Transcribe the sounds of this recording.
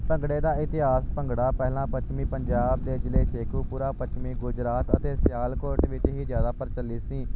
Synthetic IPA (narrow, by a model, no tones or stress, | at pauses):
pəŋɡɽeːd̪aːɪt̪ɪɦaːspəŋɡɽaːpɛːlãːpət͡ʃmiːpəɲd͡ʒaːb̚d̪eːd͡ʒɪleːseːkʰuːpuːɾaːpət͡ʃmiːɡʊd͡ʒɾaːt̪ə̰t̪eːsɪjaːlkoːɾʈʋɪt͡ʃɦiːzjaːd̪aːpəɾt͡ʃəlːiːsĩː